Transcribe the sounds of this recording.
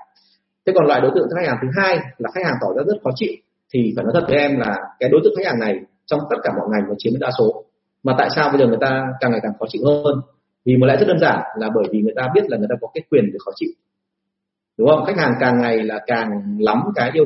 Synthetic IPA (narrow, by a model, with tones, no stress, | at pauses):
t̪ʰe˨˦kɔ˨˩nlwa̰ː˧˨jɗo˨˦jt̪ɨ̰˧˨ŋ˧˨˦xk̚hːŋt̪ʰɨ˨˦ɦaː˧jlaː˨˩xk̚haː˨˩ŋt̪ɔ˧˩zaː˨˧˥zə˦˥t̚xɔ˨˦t͡ɕḭ˧˨w | t̪ʰi˨˩faː˧˩jnɔ˨˦t̪ʰə˨˩t̚vəː˨˦ʔɛ˧mlaː˨˩kaː˨˦jɗo˨˦t̪ɨ̰˧˨ŋxa˥k̚haː˨˩na˨˩j | t͡ɕɔ˧wŋ͡mt̪ə˦˥t̚kaː˧˩mɔ̰˧˨jŋa˨˩jnɔ˨˦t͡ɕi˨˦m˦˥ɗa̰ː˧˥so˨˦ | maː˨˩t̪a̰ː˧˨jsaː˧wɓə˧jzəː˨˩ŋ˨˩əjt̪aː˧kaː˨˩ŋa˨˩jkaː˨˩ŋxɔ˨˦t͡ɕḭ˧˨whəː˧n | vi˨˩mo˨˦lɛ̰˧˨zt̚ɗəː˧nzaː˧˩nlaː˨˩ɓəː˧˩jvi˨˩ŋɨ˨˩əjt̪aː˧ɓi˦˥ət̚laː˨˩ŋɨ˨˩t̪aː˧kɔ˨˦kaː˨˦jkwi˨˩ənɗɨ˨˩ək̚xɔ˨˦t͡ɕḭ˧˨w | ɗʊ˨˦ŋ͡mhə˧wŋ͡mxa˦˥k̟̚haː˨˩ŋkaː˨˩ŋːa˨˩jlaː˨˩kaː˨˩ŋla˨˦mkaː˨˦jʔi˧ə